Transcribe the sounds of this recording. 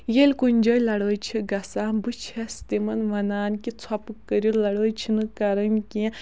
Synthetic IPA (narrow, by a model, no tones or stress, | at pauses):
jelʲkunʲd͡ʒɐjlɐɽəːjt͡ʃʰiɡɐsaːnbɨt͡ʃʰɐst̪emɐnʋɐnaːnkit͡sʰɐpɨkːəɾjulɐɽəːjt͡ʃʰinɨkɐɾɐnkʲi